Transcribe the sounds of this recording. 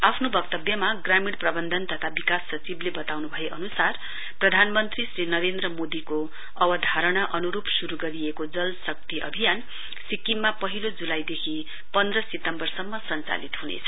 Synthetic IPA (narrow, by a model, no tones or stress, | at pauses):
apʰnobʌk̚t̪ʌbjʌmaɡramiɽprʌbʌnd̪ʱʌnt̪ʌt̪ʰabikasːʌt͡siblebʌt̪awnubʱʌeʔʌnusar | prʌd̪ʱanmʌnt̪risrɾinʌɾend̪rʌmod̪iko | ʌbʌd̪ʱaɾʌɽ̃aʔʌnuɾupsuɾuɡʌɾiekod͡zʌlsʌk̚t̪iʔʌ̰bʱijan | sikːimːapʌɦilod͡zulajd̪ekʰi | pʌnd̪rʌset̪ʌmbʌrsʌmːʌsʌnt͡sa̰lit̪ɦunḛt͡sʰʌ̥